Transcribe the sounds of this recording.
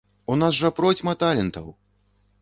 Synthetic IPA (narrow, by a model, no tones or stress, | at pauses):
unasʐɐpɾɔt͡sʲmɐt̪alʲɛnt̪ɐw